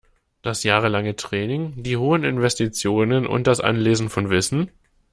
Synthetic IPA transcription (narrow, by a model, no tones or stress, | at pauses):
d̥asjaːʁəlaŋətʁ̥ɛːnɪŋd̥iːɦoːənɪ̰nvɛstit͡sjoːnənʔʊ̰nt̚d̥asʔa̰nleːzn̩fɔnvɪsn̩